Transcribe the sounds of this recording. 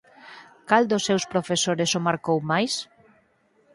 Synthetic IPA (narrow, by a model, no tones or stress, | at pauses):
kald̪ʊsːewspɾofesoɾɪsomaɾkowmajs